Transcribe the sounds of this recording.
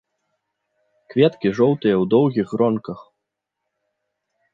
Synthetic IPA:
kvʲɛt̪kʲiʐɔwt̪ɨjɛwd̪ɔwɣʲiɣrɔnkɐx

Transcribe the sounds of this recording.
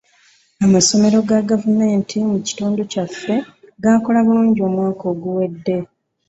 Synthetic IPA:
amaso̞me̞ɾo̞ɡaɡavume̞ːntʰimuci̥tuːnducafːe̞ɡako̞laβuluːɲɟio̞ːmwaːko̞ːɡuwe̞dːe̞

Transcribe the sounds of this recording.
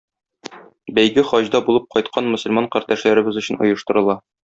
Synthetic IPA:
bæjɡɘχɒʑd̪ɑbulˠɤp̚qɒjt̪̚qʰɑnmɵ̆sɵ̆lmɑɴqæɾd̪æʃlæɾɘ̆bɘzɵ̆ɕɘ̆nŏ̰jɤ̆ʃt̪ɤ̆ɾɤ̆lˠɑ

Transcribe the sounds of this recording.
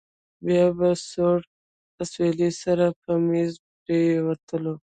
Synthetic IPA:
bjɑbasoɽ | aswelisaɾapəmezpɾewat̪ʰəlo

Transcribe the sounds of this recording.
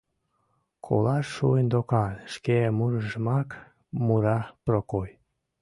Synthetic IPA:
kʰo̰lɑʃːuend̪okɑlʃkemuɾəʒəmɑk | muɾɑprokoj

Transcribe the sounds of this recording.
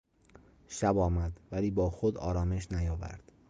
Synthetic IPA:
ʃæbɒːmæd̪væliːbɒːxod̪ɒ̰ːɾɒːme̞ʃ̬næjɒːvæ̰ɾd̪̥

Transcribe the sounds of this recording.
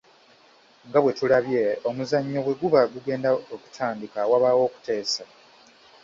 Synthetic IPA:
ŋɡaβwe̞tulaβje̞omuzaɲːo̞βwe̞ɡuβaɡuɡe̞ːndaoku̥tʰaːndikawaβawo̞ːku̥te̞ːsa

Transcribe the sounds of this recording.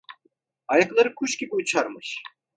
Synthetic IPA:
ɑjɑklˠɑɾɯkʰuʃkʲikujt͡ʃʰaɾmɯʃ

